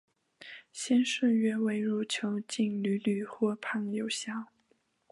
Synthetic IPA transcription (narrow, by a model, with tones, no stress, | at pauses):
ɕjɛ˥nʂə˥˩ɥɛ˥we˧˥ɪɻu˥˩t͡ɕʰjo˧˥ʊt͡ɕi˥˩ŋly˧˥ly˨˩xwɔ˥˩pʰa˥˩ŋjo˨˩ʊɕjɑ˥˩